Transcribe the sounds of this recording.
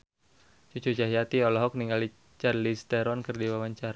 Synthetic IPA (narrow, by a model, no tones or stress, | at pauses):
t͡ʃut͡ʃud͡ʒaɦiat̪iɔlɔɦɔk̚niŋɡali | t͡ʃarlist̪ɛɾɔnkərdiwawaɲt͡ʃaɾa